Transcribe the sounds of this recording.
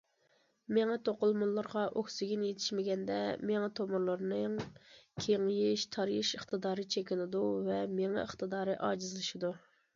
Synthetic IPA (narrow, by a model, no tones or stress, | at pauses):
meŋɛt̪ʰoqʊlˠmʊnlˠːɨɾʁɑʔokʲsɪɡʲinjet̪ʰɪ̥ʃmɪɡʲɛnd̪ɛmeŋɛt̪ʰomʊɾlˠɨɾnɨŋkʲʰeŋjiʃt̪ʰɑɾjiʃəχt̪ɨd̪ɑːɾɨt͡ʃʰekʲɪnɪd̪uvɛmeŋɛ̰əχt̪ɨd̪ɑːɾɨʔɑ̰ːd͡ʒizlˠɨʃid̪u